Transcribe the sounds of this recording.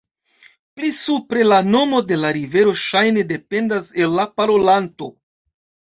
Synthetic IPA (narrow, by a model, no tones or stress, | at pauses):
plisupɾe̞lano̞mo̞de̞laɾive̞ɾo̞ʃajne̞de̞pe̞ndase̞lːapaɾo̞lanto̞